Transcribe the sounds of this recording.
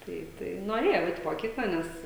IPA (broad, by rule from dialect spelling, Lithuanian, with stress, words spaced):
ˈtɐɪ tɐɪ noːˈrʲeːjɛʊ ˈɛɪt moːˈkʲiːklˠɐ ˈnʲɛs